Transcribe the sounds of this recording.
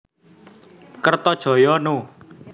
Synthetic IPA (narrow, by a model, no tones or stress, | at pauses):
kərt̪ɔd̥ʒ̥ɔ̤jɔno